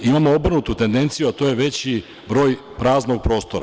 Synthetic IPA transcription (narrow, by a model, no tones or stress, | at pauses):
imamoo̞br̩nut̪ut̪e̞nd̪e̞nt̪sijuat̪o̞je̞ʋe̞t͡ɕi | bɾo̞ːj | pɾaːzno̞ɡ̚pɾo̞ːst̪o̞ɾa